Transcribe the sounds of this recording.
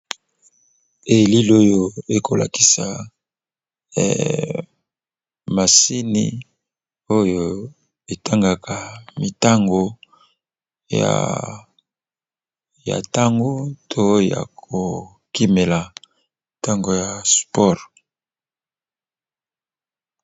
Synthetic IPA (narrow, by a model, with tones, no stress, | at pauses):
e˨li˦lo˦jo˨e˨kʰo˨la̰˨ki̥˨sa˨ | ma˨si˦nḭ˦ | o˦jo˨ | e˨ta˦ŋɡa˨kʰa˨mi˨ta˦ŋɡo˨ | ja̰˨ | ja̰˨ta˦ŋɡo˦tʰo˦ja̰˨kʰo˨ | ki˦me˨la˨ | mi˨ta˦ŋɡo˨ja˨spɔ˦ʁ